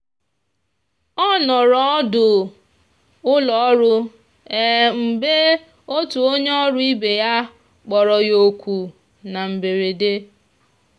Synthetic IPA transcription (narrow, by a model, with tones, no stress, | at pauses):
ɔ˦nɔ˨ɾɔ˦ɔ˦dʊ˨ | ʊ˦lɔ˨˦ɾʊ˦ | e˦m̩˨be˦ | o˦tu˨o˦ɲe˦ɔ˦ɾʊ˦i˦be˨ja˦ | k͡pɔ˨ɾɔ˨jo˨kʷu˨ | na˨m̩˨be˨ɾe˨de˦